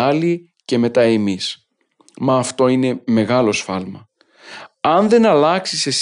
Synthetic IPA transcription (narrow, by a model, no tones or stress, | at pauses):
ɐli | ce̞me̞t̪ɐemis | mɐːft̪o̞ine̞me̞ɣɐlo̞sfɐlmɐ | ɐnðe̞nɐlɐksises